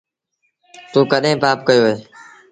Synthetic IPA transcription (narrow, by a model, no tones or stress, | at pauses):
t̪uːkəɗɦẽːpaːp̚kəjoːeː